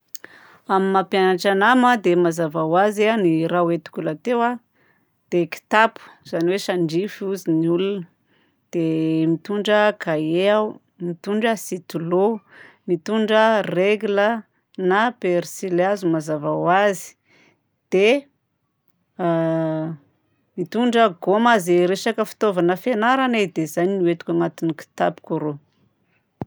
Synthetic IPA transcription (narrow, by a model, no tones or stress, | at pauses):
amimapjanaʈ͡ʂanamad̪emazavawazeaniɾawet̪u̥kʲulat̪ewa | d̪̥eki̥t̪apu̥z̥aniweʃaɳɖ͡ʐifuziniulunə | d̪̥emit̪uɳɖ͡ʐəkʰaea | mit̪uɳɖ͡ʐəsit̪ulo | mit̪uɳɖ͡ʐəreɡulə | napersilazumazavawazi̥ | d̪̥e | mit̪uɳɖ͡ʐəɡomazeɾeʃakəfi̥t̪ovanəfenaɾaned̪ezaniniwet̪ukʲaŋat̪uniki̥t̪apu̥kʲuɾo